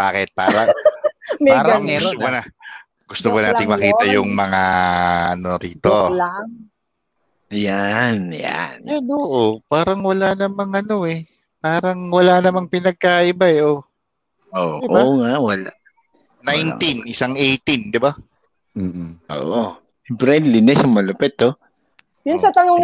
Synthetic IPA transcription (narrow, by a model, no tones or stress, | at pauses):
b̥aːkɛt̪̚paːɾɐ | maːɾɐaŋɛomʊnɐ | ɡʊst̪obʊnaːɪŋmɐkiːt̪ɐjʊŋmɐŋaʔɐ̰noɾiːt̪o̞laŋ | janja̰njanoːʔopaːɾɐŋwɐlanɐmɐŋʔɐno̞ʔɛ | paːɾɐŋwɐlanɐmaŋpɪnɐɡ̚kaːʔɪbaɛʔo | ʔoːd̪ɪʔobaŋaʔwɐlaʔ | najnt̪inʔɪsaŋʔejt̪ind̪ɪba | m̩ːʔo̰ːʔo | ɛmpɾɛnlɪnɛsɐŋmɐlʊpɛt̪o | jʊnsɐt̪ɐnoŋ